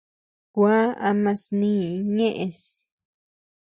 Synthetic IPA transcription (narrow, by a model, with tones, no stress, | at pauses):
kʷa˦a˧mã˧snĩː˦˨˦ɲẽ˦ʔẽ˧s